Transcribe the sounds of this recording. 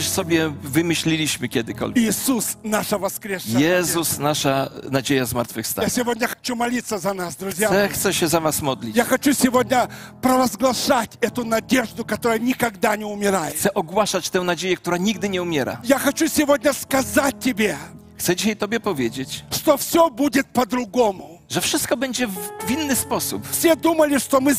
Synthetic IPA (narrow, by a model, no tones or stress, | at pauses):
ʂsɔbʲjɛvɘmɘɕlʲilʲiɕmɘkʲɛd̪ɪkɔ̰lʲjɪsusnaʂɐvɐskɾʲeʂjɛzusnaʂanad͡ʑejazmaɾt̪fɘfst̪ajasʲɪvodʲnʲəxɐ̥t͡ɕumɐlʲit̪sːəzɐnasd̪ɾʊzʲjaɛxt̪sɛɕɛzavasmɔd̪lʲijaxɐt͡ɕusʲɪvodʲnʲəpɾɐvɐzɡlˠɐʂatʲɛt̪ʊnɐdʲeʐd̪ʊkɐt̪oɾəjənʲɪkɐɡd̪anʲɪʊmʲɪɾajxɪt̪sɛʔɔɡwaʂat͡ɕt̪ɛ̃w̃nad͡ʑejɛk̚t̪uɾaɲiɡ̚d̪ɪɲɛumʲjeɾa̰jaxɐt͡ɕusʲɪvodʲnʲəskɐzat̚ʲtʲːɪbʲe | xt̪sɛd͡ʑiɕajt̪ɔbʲjɛpɔvʲjed͡ʑet͡ɕʂt̪ofsʲobudʲɪt̪̚pɐd̪ɾʊɡomʊ | ʐɛfʂɨst̪̚kɔbɛɲd͡ʑɛvʲinːɨspɔsṵpfsʲed̪uməlʲɪʂt̪omɨ